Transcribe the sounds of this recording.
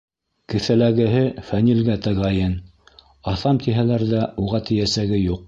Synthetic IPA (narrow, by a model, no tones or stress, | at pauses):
kɘ̆θælæɡɘ̆ɦɘfænilɡæt̪æʁɑjɤn | ɑθɑmt̪iɦælæɾðæuʁɑt̪ʰɘ̆jæsæɡɘjuq̚